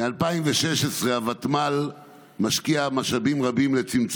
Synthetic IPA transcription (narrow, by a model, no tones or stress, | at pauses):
mealpaimveʃeʃesʁe̞avat̪mal | maʃkiamaʃabimʁabimle̞t͡simt͡s